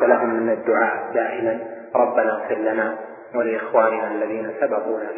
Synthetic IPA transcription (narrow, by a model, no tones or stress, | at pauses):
alaɦʊmːɪnad̪ːʊʕaːʔd̪aːʔɪlan | ɾˤɑbːanaɣfɪllanaː | walɪʔɪxwaːnɪnaʔalːaðiːnasabɑt̪ˤuːna